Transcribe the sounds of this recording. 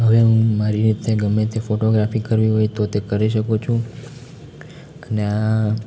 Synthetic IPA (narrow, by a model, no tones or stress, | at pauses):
ɦəʋeɦũmaɾiɾit̪eɡəmːet̪ʰefoʈoɡɾafikəɾʋiɦojt̪ot̪ekəɾiʃəkut͡ʃʰũ | ənea